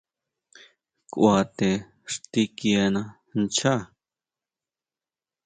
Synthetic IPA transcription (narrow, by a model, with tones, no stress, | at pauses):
kʔw̰aː˨t̪e˨ | rt̪i˧kje˧nã˧ | n̩t͡ʃa˦